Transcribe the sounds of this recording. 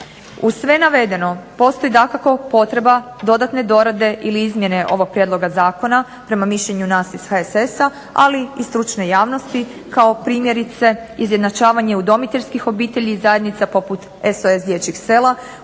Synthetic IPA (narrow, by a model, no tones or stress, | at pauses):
usʋe̞naʋe̞d̪e̞no̞po̞st̪o̞jid̪akako̞po̞t̪ɾe̞ba | d̪o̞d̪at̪ne̞d̪o̞ɾad̪e̞ʔiliizmje̞ne̞ʔo̞ʋo̞ɡ̚pɾjed̪lˠo̞ɡazaːko̞na | pɾe̞mamiʃʎeɲunaːsiz̥haesesa | a̰liist̪ɾut͡ʃne̞jaːʋno̞st̪i | kao̞pɾiːmjeɾit̪se̞izjed̪nat͡ʃaːʋaɲe̞ud̪o̞mit̪eskixo̞biːt̪eʎiːzajed̪nit̪sapo̞put̪ | esoe̞sd̪jet͡ɕixse̞la